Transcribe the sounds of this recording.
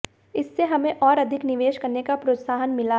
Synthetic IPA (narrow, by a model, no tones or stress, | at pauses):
ɪsːeɦɐmẽʔɔːɾɐd̪ʱɪknɪʋeːʃkɐɾnekapɾoːt̪saːɦənmɪla